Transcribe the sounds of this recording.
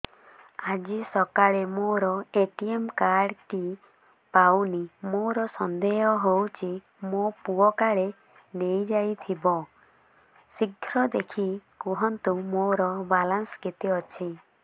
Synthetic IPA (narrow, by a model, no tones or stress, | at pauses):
ad͡ʒisɔkaɭemoɾɔeʈiemkaɾɖʈi | pawnimoɾɔsɔnd̪eɦɔɦowt͡ʃʰi | mopuɔkaɭe | nejd͡ʒajt̪ʰibɔ | siɡʱɾɔd̪ekʰikuɦɔnt̪umoɾɔbalansket̪iɔt͡ʃʰi